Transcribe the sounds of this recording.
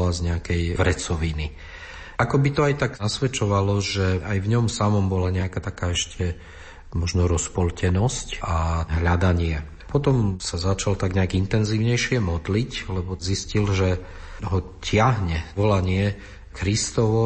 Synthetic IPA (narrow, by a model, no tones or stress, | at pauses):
lazɲɛakɛjʋɾɛt͡sɔʋini | ʔakɔbit̪ɔajt̪aɡnasʋɛt͡ʃɔʋalɔʒɛʔajvɲɔmsamɔmbɔlaɲɛakat̪akaːɛʃcʰɛ | mɔʒnɔɾɔspɔlcɛnɔscʔaɦʎad̪aɲɪɛ | pɔt̪ɔmsazat͡ʃalt̪aɡɲɛaɡint̪ɛnziːʊɲɛjʃɪɛmɔd̪liclɛbɔziscilʒɛ | ɦɔcɪaɦɲɛʋɔlaɲɪɛ | kɾist̪ɔʋɔ